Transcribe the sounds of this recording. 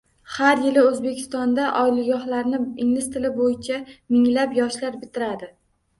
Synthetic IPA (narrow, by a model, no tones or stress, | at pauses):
haɾjɪlɪɵzbe̞kʲʰɪ̥st̪ɒnd̪aʔɒɪlɪɡɒχlaɾnɪɪŋnɪst̪ʰɪlɪbojɪt͡ʃʰamɪŋlapjɒʃlaɾbɪt̪ʰɪɾad̪ɪ